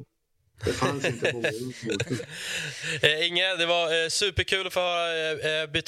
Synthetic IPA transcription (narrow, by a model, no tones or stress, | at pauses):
f | ɪŋːəd̪ɛvasʉ̟ːpəɾkʰʉ̟ːlɔfoːhœːɾabʏt̪ː